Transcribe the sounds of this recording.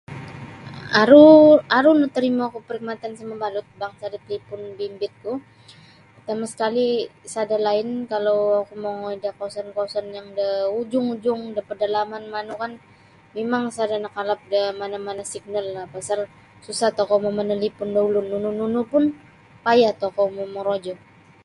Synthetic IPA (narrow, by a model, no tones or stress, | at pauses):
aɾuaɾunut̪əɾimakupəɾik̚mat̪ansamabalʊt̪̚baŋsadat̪̚lipʊnbimbɪt̪̚kʊ | t̪amasə̥kalisadalaɪnkalawakumoŋoidahkaasankaasanjaŋdəud͡ʒʊŋud͡ʒʊŋdapərdalamanmanukan | memaŋsadanakalap̚damanamanasiɡ̚nalːapasar | susat̪okɔmamanalipʊndaulʊnunununupʊn | pajaht̪okɔmomoɾod͡ʒɔ